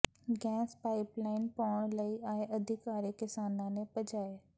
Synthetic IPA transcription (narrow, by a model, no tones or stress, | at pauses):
ɡɛ̃ːspaːɪplaːɪnpɔːɽ̃lɐiʔaẽʔɐd̪ʱɪkaːɾekɪsaːnãnẽpɐd͡ʒaːe